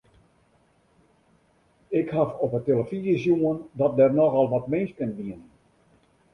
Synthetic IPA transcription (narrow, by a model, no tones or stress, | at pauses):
ɪkhafɔpəteləfizəsjuəndɔt̚dɛrnɔxɔlˠʋɔtmɪnskənʋiən